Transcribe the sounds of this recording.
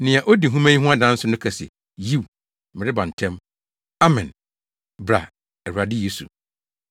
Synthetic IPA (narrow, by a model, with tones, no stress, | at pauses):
nɪ̃˨a˨ʔo˦di˨ɦũ˦mã˦ɲĩ˦ɦũ˦a˦dã˦n̩˦sʊ˦nʊ̃˦kʰɛ˨sɛ̰˨ | ji˦˨w | mɪ̃˨ɾɪ˦bã˨n̩˨tʰɛ̃˦m | a˦mɛ̃˨n | bɾa̰˨ | ɛ˨hu˨a˨dɪ˦je˦sṵ˨